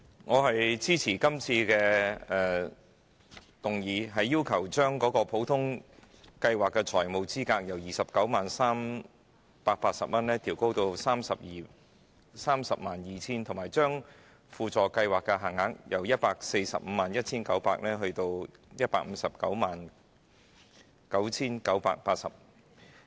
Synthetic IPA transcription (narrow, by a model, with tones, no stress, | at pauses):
ŋɔː˨˧hɐ˨jt͡siː˥t͡sʰiː˨˩kɐ˥mt͡sʰiː˧kɛː˧ɛː˧˩ | t̪ʊ˨ŋjiː˨˧ɦɐ˨jːiː˥wkʰɐ˨˩wt͡ʃœː˥ŋkɔː˨˥kɔː˧pʰo˨˥wt̪ʰʊ˥ŋ | kɐ˧jwaː˨˩kːɛː˧t͡ʃʰɔː˨˩jmo˨wt͡siː˥kaː˧k̚jɐ˨˩wjiː˨sɐ˨p̚kɐ˨˥wmaː˨nsaː˥m | paː˧t̚paː˧t̚sɐ˨p̚mɐ˥nlɛː˥t̪ʰiː˨˩wko˥wt̪o˧wsaː˥msɐ˨p̚jiː˨˩ | saː˥msɐ˨p̚maː˨˩njiː˨t͡sʰiː˥nt̪ʰʊ˨˩maː˨˩jt͡ʃœː˥ŋ | fuː˨˧t͡ʃt͡sɔː˨kɐ˧jwaː˨kːɛ˧ɦɐ˨˩ŋːɐ˨˥ŋ̚jʔɐ˨˩wjɐ˥t̚paː˧k̚se˧jsɐ̰˨p̚m̩˨˧maː˨njɐ˥t̚t͡sʰiː˥nkɐ˨˥wpaː˧k̚nɛː˥ɦɵ˧ɥt̪o˧wjɐ˥t̚paː˧k̚m̩˨˧sɐ˨p̚kɐ̰˨˥wmaː˨n | kɐ˨˥wt͡sʰiː˥nkɐ˨˥wpa̰ː˧k̚paː˧t̚sɐ˨p̚